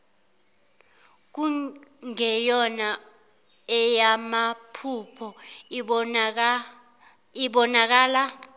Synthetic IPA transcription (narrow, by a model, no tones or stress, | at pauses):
k̬uŋɛjɔna | ɛjamapʰupʰɔ | iɓɔnak̬aːla